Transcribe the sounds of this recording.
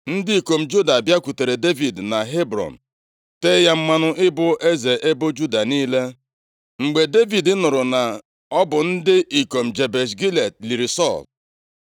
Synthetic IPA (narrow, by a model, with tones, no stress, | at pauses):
n̩˦dɪ˦i˨ko˨m̩˨d͡ʒu˦da˨bja˦ku˨te˨ɾe˨de˦vi˨dna˨ɦe˦bɾɔ̰˨n̩˨ | teː˦ja˦m̩˦ma˦nʊ˦ʔɪ˦bʊ˦ʔe˦ze˨ʔe˦bʊ˦d͡ʒu˦da˨niː˦le˦ | ŋ͡m̩˨ɡ͡be˨de˦vi˨dɪ˦nʊ˨ɾʊ˨na˨ | ɔ˦bʊ˨n̩˦dɪ˦ʔi˨ko˨m̩˨d͡ʒe˨be˨s̬ɡi˦le˨t̚li˨ɾi˨sɔ˦˨l